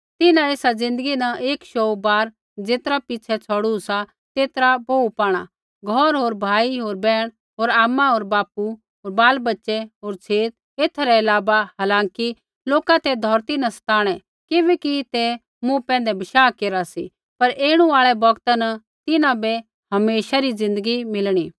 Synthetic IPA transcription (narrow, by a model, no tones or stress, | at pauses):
t̪ɪnãeːsad͡zɪ̃nd̪əɡinɐʔeːkʃoːbaːɾ | d͡zeːt̪ɾapɪt͡ʃʰɛt͡sʰɔɽusa | t̪eːt̪ɾaboːupaːɽ̃a̰ | ɡʱɔɾɦoːɾbʱaːiɦoːɾbɛːɽ̃ | ɦoːɾaːmːãɦoːɾbaːpu | ɦoːɾbaːlbɐtːʃɛɦoːɾt͡sʰeːt̪ | eːt̪ʰːɾɛɐlaːbaɦaːlãːŋki | loːkãt̪ɛd̪ʱɔːɾt̪inɐsɐ̥t̪aːɽ̃ɛ | kɪbɛkit̪e | mũpɛ̃ːnd̪ɛbɪʃaːkeːɾasi | pɐɾeːɽ̃ũaːɭɛbɐɡt̪anɐ | t̪ɪnãbe | ɦɐmeːʃaɾizɪ̃nd̪əɡimɪlɽ̃iː